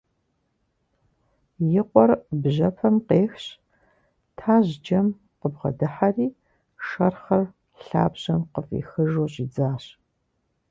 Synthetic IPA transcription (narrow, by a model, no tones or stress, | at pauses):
jɪqʷʼɔrbʑɐpʰɐmqeːxɕ | tʰaːʑd͡ʒɐm | qəbʁɐ̰dɨħariː | ʂɐrχɐr | ɬa̰ːbʑɐmqəfḭːxɨʒoːɕʼid͡zaːɕ